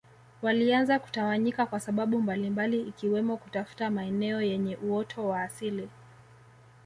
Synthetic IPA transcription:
walianzaku̥tawaɲikakwasaɓaɓumbalimbaliːkiwɛmɔkutafu̥tamaɛnɛɔjɛɲɛʔuɔtʰɔwaːsili

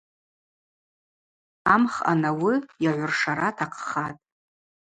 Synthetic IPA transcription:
amχa̰nawijaʕʷʊrʂaɾatʰaqʰχatʼ

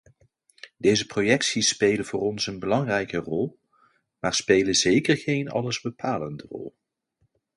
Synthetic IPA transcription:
dejzəprojɛksispejlənvʊːrɔnsənbəlɑŋrɛjkərɔlˠ | maːɹspejləzejkərɣejnɑ̰ləzbəpʰaːləndərɔ̰lˠ

